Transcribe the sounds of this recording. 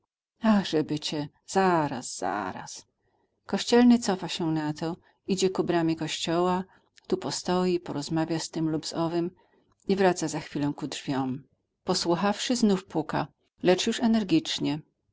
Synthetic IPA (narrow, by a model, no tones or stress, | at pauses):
axʐ̥ɛbɘt͡ɕɛ | z̥aɾa̰sz̥a̰ɾa̰s | kɔɕt͡ɕɛlnɘt̪sɔfaɕɛnat̪ɔ | id͡ʑɛkubɾamʲikɔɕt͡ɕɔwa | t̪upɔst̪ɔjipɔɾɔzmavʲjast̪ɘmlubz̥ɔvɘm | ivɾat̪sazaxfʲilɛ̃kudʐvʲjɔm | pɔswuxafʂɘznufpuka̰ | lɛt͡ʂjuʂɛnɛɾɡʲit͡ʂɲɛ